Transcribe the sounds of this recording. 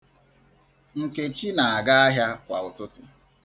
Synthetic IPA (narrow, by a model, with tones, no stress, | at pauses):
ŋ̩˨ke˨t͡ʃi˦na˨a˨ɡa˦a˦ɦja˦kʷa˨ʊ˨tʊ˦tʊ˨